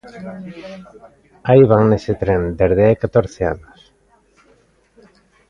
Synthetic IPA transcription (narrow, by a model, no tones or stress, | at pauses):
aiβaŋnesɪt̪ɾẽnd̪eɾðeajkat̪oɾθeanos